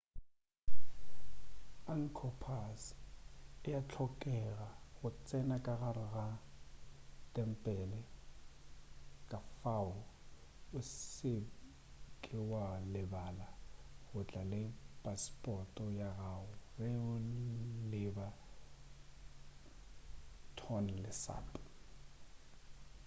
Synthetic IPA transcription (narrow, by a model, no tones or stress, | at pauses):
aŋ̩kʰɔpʰas | ɪjat͡ɬʰɔkʼɛɣaɣʊt͡sʼɛnakʼaɣarɪɣa | tʼɛm̩pʼɛlɛ | kʼafaʊ | ʊsɪ | kʼɪwalɪbalaɣʊt͡ɬʼalɪpʼaspʼɔtʼɔjaɣaʊrɛʊlɪba | tʰɔn̩lɪsa̰ːpʼ